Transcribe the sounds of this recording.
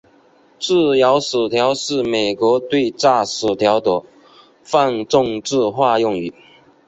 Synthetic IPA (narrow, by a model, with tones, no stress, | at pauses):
ʈ͡ʂɹ̩˥˩jɑ˧˥ʊʂ̩˨˩t̪ʰjɑ˧˥ʊʂɻ̩˥˩me˨˩ɪkwɔ˧˥t̪we˥˧ɪʈ͡ʂa˥˩sɹ̩˨˩t̪ʰjɑ˧˥ʊt̪ɤ˨˩ | fa˥˧nʈ͡ʂʊ˥˧ŋʈ͡ʂɻ̩˥˧xwa˥˧jʊ˥˩ŋy˨˩˦